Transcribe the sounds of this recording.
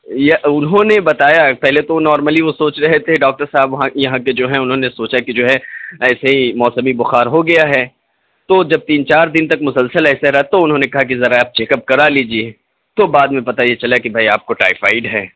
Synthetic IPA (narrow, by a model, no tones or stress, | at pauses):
jeʊnɦõnebɐt̪aːjapɛɦlet̪onɔːɾməliʋosoːt͡ʃɾɐɦt̪ʰɛɖɔːk̚ʈəɾsaːbʋɐɦãjɐɦãked͡ʒoːɦɛ̃ʊnɦõnesoːt͡ʃakid͡ʒoːɦɛɛːseɦimɔːsəmibʊxaːɾɦoɡɐjaɦɛː | t̪od͡ʒɐb̚t̪iːnt͡ʃaːɾd̪ɪ̃nt̪ɐk̚mʊsəlsəlɛːseɾɐt̪oʊnɦõːnekɐɦak̬izɐɾaːp̚t͡ʃeːkəp̚kɐɾaliːd͡ʒie | t̪obaːd̪mẽpɐt̪ajet͡ʃɐlakibʱaːiaːp̚koʈa̰ːɪfa̰ːɪɖɦɛː